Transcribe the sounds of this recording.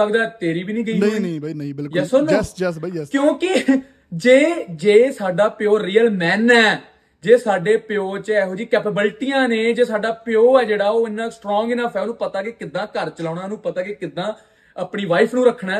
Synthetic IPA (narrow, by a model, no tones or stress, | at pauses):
əkd̪aːt̪eːɾiːbiːnĩːɡəiiĩɪjɛsonː | kjõːkɪ | d͡ʒeːd͡ʒeːsaːɖaːpɪjoːɾiːəlmɛːnɛː | d͡ʒeːsaːɖeːpɪjoːt͡ʃəɛːɦoːd͡ʒiːkɛːpəbəlʈijãːneːd͡ʒeːsaːɖaːpɪjoːɛːd͡ʒeːɽaːoːɪnãːsʈɾɔ̃ːŋɡɪnãːpʰɛːnũːpət̪aːkekɪd̪ãːkəɾt͡ʃəlaːnãːnũːpət̪aːkekɪd̪ãː | əpɳiːʋaːipʰnũːɾəkʰːɳaː